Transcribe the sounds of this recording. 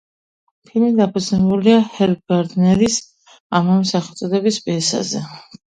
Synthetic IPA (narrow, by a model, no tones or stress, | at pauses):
pʰilˠmid̪apʰud̪znɛbuliahɛɾb̚ɡaɾd̪nɛɾis | amamsaχɛlˠt̪sʼɔd̪ɛbisbɛsa̰zɛ̰